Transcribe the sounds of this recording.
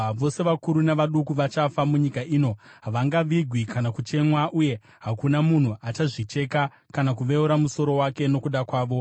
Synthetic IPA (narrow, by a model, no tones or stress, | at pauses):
ʋo̞se̞ʋakuɾunaʋaɗukuʋat͡ʃafamuɲikaʔiːno̞ɦaʋaŋɡaʋiɡʱwikʰanakut͡ʃe̞mwaʔuje̞ | ɦakunamun̤uʔat͡ʃaʐit͡ʃe̞ka | kanakuʋe̞uɾamuso̞ɾo̞wake̞no̞kuɗakwaːʋo̞